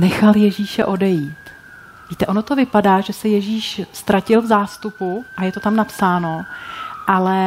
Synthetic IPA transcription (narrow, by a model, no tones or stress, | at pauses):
nɛxaljɛʒiːʃɛ̰ʔo̞dɛjiːt̪ | viːt̪ɛʔo̞no̞t̪o̞vɪpadaːʒɛsɛjɛʒiːʃst̪ɾacɪlvzaːst̪upuʔajɛt̪o̞t̪amnapsaːno̞ʔalɛ